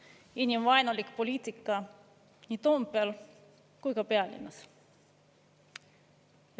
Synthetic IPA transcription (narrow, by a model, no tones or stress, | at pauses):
inʲimvɑjnolʲikpolʲiːt̪ʲikːɑ | nʲit̪ompːel | kujkɑpeælʲḭnɑs